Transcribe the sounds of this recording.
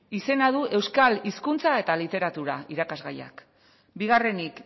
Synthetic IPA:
ise̞nað̞uʔe̞wskaliskunt͡sae̞t̪alit̪e̞ɾat̪uɾaiɾakazɣaja̰k | biɣ̞are̞nik

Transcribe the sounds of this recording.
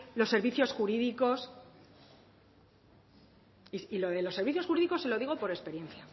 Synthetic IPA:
lo̞sːe̞ɾβiθjo̞sxuɾiðiko̞s | isilo̞ðelo̞sːeɾβiθjosxuɾiðiko̞selo̞ðiɣo̞po̞ɾe̞spe̞ɾje̞nθja

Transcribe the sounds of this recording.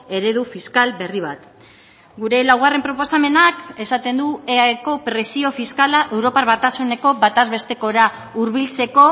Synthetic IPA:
e̞ɾe̞ðufiskalbe̞riβ̞at̪ | ɡuɾe̞lawɣare̞mpɾo̞po̞same̞nake̞sat̪e̞nd̪ueaeko̞pɾe̞sio̞fiskalaʔe̞wɾo̞paɾβat̪asune̞ko̞bat̪azβe̞st̪e̞ko̞ɾauɾβilt͡se̞ko̞

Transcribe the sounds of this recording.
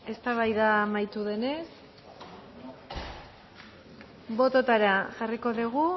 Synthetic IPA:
e̞st̪aβ̞ajðamajt̪uðe̞ne̞s | bo̞t̪ot̪aɾaʝariko̞ðiɣ̞u

